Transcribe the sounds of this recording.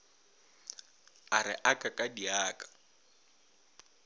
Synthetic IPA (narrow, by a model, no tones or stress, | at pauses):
arɪ̰ʔakʼakʼadiaːkʼḁ